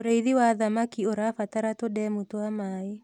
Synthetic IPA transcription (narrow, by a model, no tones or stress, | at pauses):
oɾeiðiwaðamakioɾafataɾatodɛmutoamaːe